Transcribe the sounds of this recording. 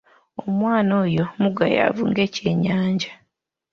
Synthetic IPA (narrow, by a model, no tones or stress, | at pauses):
omwaːnoːjo̞muɡaja̰vuŋɡe̞ce̞ːɲaːɲɟa